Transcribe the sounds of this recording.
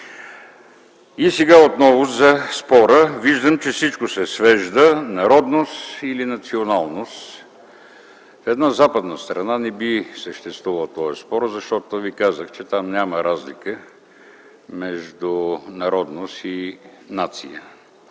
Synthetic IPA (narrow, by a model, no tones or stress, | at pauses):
isɛɡaot̪nɔvʊzɐspɔɾəviʒd̪əmt͡ʃɛfsit͡ʃkosɛsvɛʒd̪ənɐɾɔd̪nost̪ilinɐt̪sionalˠnost̪ | fɛd̪nazapəd̪nəst̪ɾɐnanɛbisəʃt̪ɛst̪vuvɐlˠt̪ɔɛspɔɾəzɐʃt̪ɔt̪ovikazəxt͡ʃɛt̪amnʲaməɾazlikə | mɛʒd̪ʊnɐɾɔd̪nost̪inat̪sijə